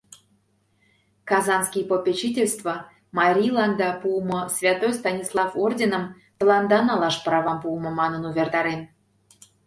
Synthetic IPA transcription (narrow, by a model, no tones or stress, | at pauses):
kɑzɑnskʲijpopʲet͡ɕitʲelʲst̪və | mɑɾʲilˠɑnd̪ɑpuəmosvʲɑt̪ojst̪ɑnʲislˠɑfordʲenə̆m | t̪əlˠɑnd̪ɑnɑlɑʃprɑvɑmpuəmə̆mɑnənuvʲert̪ɑɾen